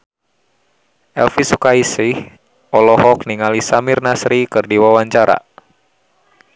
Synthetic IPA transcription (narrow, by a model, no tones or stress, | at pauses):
ʔɛlfisukaisih | ʔɔlɔɦɔk̚niŋalisamɪrnasɾikɨrdiwawaɲt͡ʃaɾa̰